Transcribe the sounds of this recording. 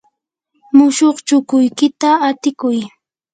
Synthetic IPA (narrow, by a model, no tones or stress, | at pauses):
mʊʃoχt͡ʃʊkʊjkɪt̪aːt̪ɪkʊj